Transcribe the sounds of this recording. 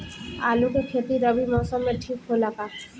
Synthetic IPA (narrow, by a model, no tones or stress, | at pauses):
aːlukekʰet̪iɾəbimɔːsəmːẽʈʰiːkɦoləɡa